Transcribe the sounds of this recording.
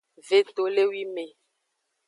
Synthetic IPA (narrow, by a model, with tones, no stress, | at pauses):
ve˨t̪o˨le˦wi˦me˨